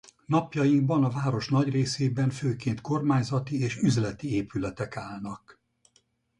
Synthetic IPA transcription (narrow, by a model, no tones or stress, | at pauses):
n̪ɒpjɒjiŋɡ̚bɒnɒvaːɾo̞ʃnɒɟreːseːbɛɱføːkeːnt̪ko̞rmaːɲzɒt̪ieːʃyzlɛt̪ieːpylɛt̪ɛkaːlnɒk